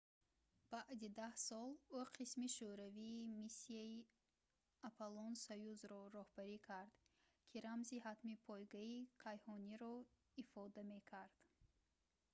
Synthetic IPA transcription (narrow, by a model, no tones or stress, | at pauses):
b̥aʔd̪id̪ahsɔluqʰismiʃuɾaviːmisːiai | apʰalɔnsajuzɾɔɾɔhbaɾikʰaɾd̪̥ | kʰiɾamziɦat̪mipʰɔjɡaikʰajhɔniɾɔ | ifɔd̪ame̞kʰaɾd̪̥